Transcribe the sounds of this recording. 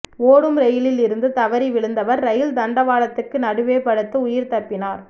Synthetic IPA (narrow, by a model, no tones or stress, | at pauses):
oːɽɯmɾɛjɪlɪlɪɾɯnd̪ɯt̪ɐʋɐɾiʋɪɭɯnd̪ɐʋɐɾːɐjɪld̪ɐɳɖɐʋaːɭɐt̪ːɯkːɯnɐɽɯʋeːpɐɽɯt̪ːɯʊjɪɾt̪ɐpːɪnaːɾ